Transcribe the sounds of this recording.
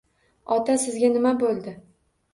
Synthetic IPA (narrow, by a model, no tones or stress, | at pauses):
ɒt̪ʰasɪzɡʲanɪmabolˠd̪ɪ